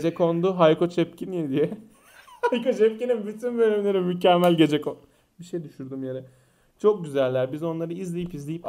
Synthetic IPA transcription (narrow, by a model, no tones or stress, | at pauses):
d͡ʒɛko̞nd̪ʊɦajkʰo̞t͡ʃʰɛp̚cʰinijɛd̪ijɛ | hajko̞t͡ʃɛpcininbyt̪ʰynbølʲymlʲe̞ɾimycɛmːælʲɟe̞d͡ʒɛko | biʃejd̪yʃuɾd̪umjaɾɯ | t͡ʃʰo̞k̚ɟyzælʲːæɾbizo̞nlˠaɾɯizlʲejipizlʲejip